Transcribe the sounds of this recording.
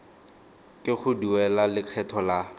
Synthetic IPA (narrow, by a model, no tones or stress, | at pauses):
kʼɪχʊduɛlalɪkʰɛtʰɔla